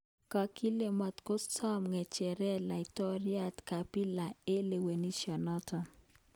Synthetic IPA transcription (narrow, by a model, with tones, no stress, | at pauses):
ka˨ki˦le˨ma˨t̪ko˦ssɔ˦mŋɛ˨t͡ʃɛ˨ɾɛ˦la˨i˨tɔ˦ɾja˦tka˨pi˦la˨e˦le˨we˨ni˦ʃjɔ˨nɔ˦tɔ˨